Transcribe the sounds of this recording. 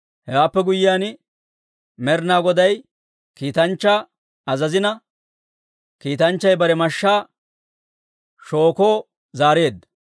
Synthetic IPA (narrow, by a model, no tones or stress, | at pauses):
hɛwaːpːɛɡʊjɪjaːn | mɛɾnaːɡɔd̪ɐj | kiːt̪ɐnt͡ʃːaː | ɐzɐzɪnɐ | kiːt̪ɐnt͡ʃːɐjbɐɾɛmɐʃːaː | ʃo̞ːkoː | zaːɾe̞ːd̪ɐ